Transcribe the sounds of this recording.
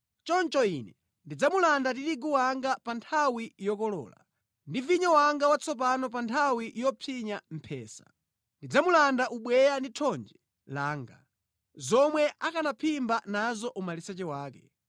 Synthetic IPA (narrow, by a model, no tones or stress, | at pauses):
t͡ʃɔnt͡ʃɔinɛ | ndid͡zamulandatitiɡuwaŋɡapantʰawijɔkɔlɔ̰ːla̰ | ndiviɲɔwaŋɡawat͡sʰɔp̬anɔp̬antʰawijɔpʰiɲam̩pʰɛ̰ːsḁ̰ | ndid͡zamulandaʔuɓwɛjanditʰɔnd͡ʒɛ | laːŋɡa | zɔmwɛʔakanapʰimbanazɔʔumalisɛt͡ʃɛwaːkɛ